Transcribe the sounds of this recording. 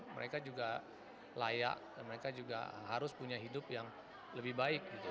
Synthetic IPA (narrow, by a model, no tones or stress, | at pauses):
mə̰ɾekad͡ʒuɡa | laja̰ʔdanməɾekad͡ʒuɡa̰ɦaɾʊspuɲaɦidʊpjaŋ | ləbɪhbaɪk̚ɡit̪u